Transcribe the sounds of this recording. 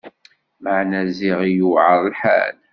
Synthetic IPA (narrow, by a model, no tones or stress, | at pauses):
məʕnæziʁijuʕəɾˤlħæ̰l